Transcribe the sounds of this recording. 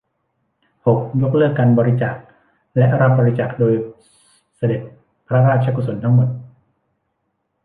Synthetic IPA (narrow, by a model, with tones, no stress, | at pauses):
ho˨˩k̚jo˦˥k̚lɤː˥˩kːaː˧nbɔː˧ɾi˦t͡ɕaː˨˩k̚ | lɛ˦˥ʔɾa˦˥p̚bɔː˧ɾi˦˥t͡ɕaː˨˩k̚doː˧j | sa˧de˨˩t̪̚ | pʰɾa˦˥ɾaː˥t̪̚t͡ɕʰa˧kʰu˨˧˩so˩˦nt̪ʰa˦˥ŋmo˨˩t̪̚